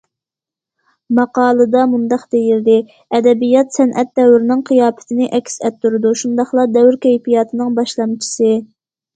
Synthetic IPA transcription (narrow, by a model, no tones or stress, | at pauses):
mɑqɑːlˠɨd̪ɑmund̪ɑqd̪ejild̪ɪ | ɛd̪ɛbijɑt̪sɛnʔɛt̪̚ːɛwɾɪnɪŋqʰijɑːpɪ̥t̪ʰɪnɪʔɛkʲsɛt̪ːuɾɨd̪uʃund̪ɑχlˠɑd̪ɛwɾkʲɛjpijɑːt̪ʰɨnɨŋbɑʃlˠɑmt͡ʃʰi̥sɨ